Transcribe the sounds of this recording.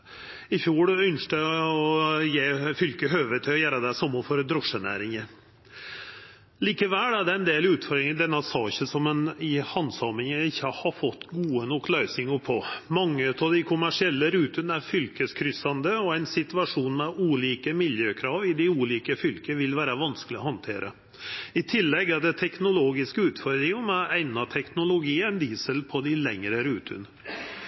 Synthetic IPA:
ɪfjuːɽʏnʂʈəɔjeːfʏlkəɦøːʋət̪ʰɪlɔjæːɾɑd̪æsɔmːəfɔɾd̪ɾɔʂənæ̰ːɾɪŋəɾ | liːkəʋæːlæɖɛæɪnd̪eːlʉːt̪fɔɾɾɪŋəd̪ɛnːɑsɑːçəsɔmɛnɪhɑnsɑmɪŋəɪçːəhɑfɔt̪ːɡuːənɔkːlœʉsɪŋəpʰɔmɑŋːəʉt̪ɑʋd̪æɪkʰʊmæʂɪɛlːəɾʉːt̪ʉnæɾfʏlkəskʰɾʏsɑnd̪əɔæɪnsɪt̪ʉɑʂuːnmɛuːliːkəmɪljøːkʰɾɑːʋɪd̪ɪuːliːkəfʏlkəʋɪlʋæːɾəʋɑnskəlɪɔhɑnt̪ʰeːɾʔə̰ | ɪt̪ʰɪlːɛɡæɖɛt̪ʰɛknʊloːɡɪskəʉːt̪fɔɾd̪ɾɪŋəmææɪnɑt̪ʰɛknʊlʊɡiːænd̪iːsəlpʰɔd̪ɪlɛŋɾəɾʉːt̪ʰʉ̰nə

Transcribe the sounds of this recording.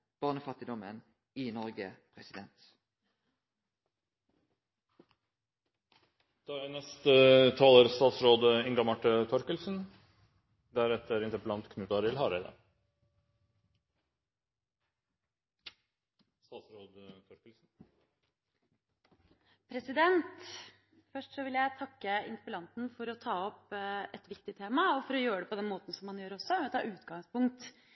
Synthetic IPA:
b̥ɑʁnəfɑt̪ɪd̪ɔmən | iːnɔʁɡə̰pʰʁɛsɪd̪ɛnt̪ | d̪̥ɑːænɛst̪ət̪ʰɑːloːɾst̪ɑːt̪sɾoːd̪əɪŋɡɑmɑʈːət̪ʰɔɾkəlsn̩ | d̪æɾɛt̪əɾɪnt̪əɾpəlɑnt̪kʰnʉːt̪ɑɾɪlhɑːɾæɪd̪ə̰ | st̪ɑːt̪sɾoːd̪t̪ʰɔɾkəlsn̩ | pʰɾɛsɪd̪ɛnt̪ | fœʂʈsɔʋɪljæɪt̪ʰɑkːəɪ̰nt̪əɾpəlɑnt̪n̩fɔɾɔt̪ʰɑːɔpɛt̪ʋɪkt̪ɪt̪ʰeːmɑɔfɔɾɔjøːɾəɖ̪ɛpɔd̪ɛnmoːt̪n̩sɔmːɑnjøːɾɔsːɔt̪ʰɑ̰ːʔʉːt̪ɡɑŋspʊŋkt̪

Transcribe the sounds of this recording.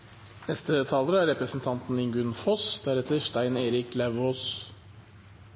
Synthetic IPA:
nɛst̪ət̪ʰɑːləɾəæɾɛpɾəsn̩t̪ʰɑnt̪n̩ɪŋɡʉnfɔsd̪̥æɾɛt̪ʰəʂt̪æɪneːɾɪklæʋoːs

